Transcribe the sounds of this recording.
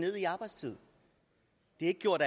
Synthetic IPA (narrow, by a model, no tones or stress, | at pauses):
ne̝ð̰ˠiɑ̈ːb̥ɑ̈ɪdst͡sʰið̰ˠ | d̥e̝aeɡ̥̚ɡ̥jo̝ɐ̰ɾ̥